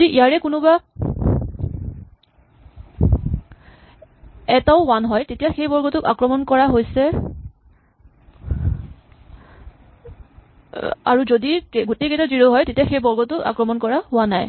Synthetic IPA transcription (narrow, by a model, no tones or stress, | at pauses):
diʔijaɹɛkʊnʊba | ɛtaʊwanɦɔjtetijaxejbɔɹɡɔtʊka̰kɹɔmɔnkɔɹaɦojsɛ | a̰ɹuzodikeɡoteketaziɹoɦɔjtetijaxejbɔɹɡɔtʊka̰kɹɔmɔnkɔɹaɦʊwanaj